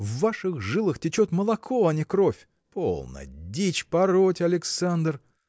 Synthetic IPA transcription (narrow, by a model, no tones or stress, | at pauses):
vːaʂɨɣʐɨlˠɨxtʲɪt͡ɕot̪məlˠɐkʰoɐnʲɪkɾofʲ | po̰lˠnə̰dʲit͡ɕpɐɾotʲɐlʲɪksand̪r